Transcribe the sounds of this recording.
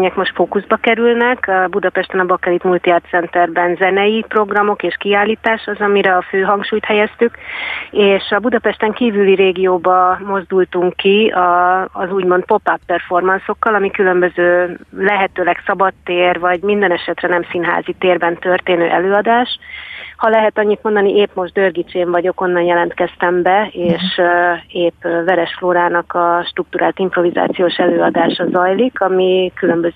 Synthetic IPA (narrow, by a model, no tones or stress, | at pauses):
ɲɛkmo̞ʃt̪foːkuzbɒkɛɾylnɛkɒbud̪ɒpɛʃt̪ɛnɒbɒkɛɾit̪mult̪iart̪sɛnt̪ɛrbɛnzɛnɛjipro̞ɡrɒmo̞keːʃkiaːlːiːt̪aːʃɒzɒmiɾɛɒføːɦɒŋkʃuːjt̪hɛjɛst̪ykeːʃɒbud̪ɒpɛʃt̪ɛŋkiːvyliɾeːɡijoːbɒmo̞zd̪ult̪uŋkːiɒːzuːɟmo̞nt̪̚po̞papːɛrfo̞rmɒnso̞kːɒlɒmikylø̞mbøzøːlɛɦɛt̪øːlɛksɒbɒt̪ːeːrvɒɟmind̪ɛnɛʃɛt̪rɛnɛmsinɦa̰ːzit̪eːrbɛnt̪ørt̪eːnø̰ːʔɛløːɒd̪aːʃhɒlɛɦɛt̪ɒɲːit̪̚mo̞nd̪ɒniʔeːpmo̞ʒd̪d̪ørɡit͡ʃeːɱvɒɟo̞ko̞nːɒnjɛlɛnt̪kɛst̪ɛmbɛeːʃ | eːpːvɛɾɛʃfloːɾaːnɒkɒʃt̪rukt̪uɾʔaːlt̪impro̞viza̰ːt̪sijoːʃɛløːɒd̪aːʃɒzɒjlikɒmikylø̞mbøz